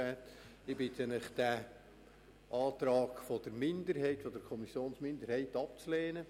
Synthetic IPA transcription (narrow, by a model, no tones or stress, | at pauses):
ɛːt | ɪbɪt̪ənɪχd̥æ | ʔɑːt̪ɾɑːɡfɔd̥̪əɾmɪndəɾhɛɪtfɔd̥əɾkʰɔmisjoːnsmɪnd̪əɾhɛɪtɑp̚t͡sleːnə